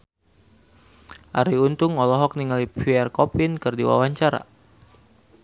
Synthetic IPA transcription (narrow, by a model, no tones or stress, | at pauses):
ʔaɾiunt̪ʊŋɔlɔɦɔk̚niŋalipiɛrkɔpinkɨrdiwa̰waɲt͡ʃaɾa̰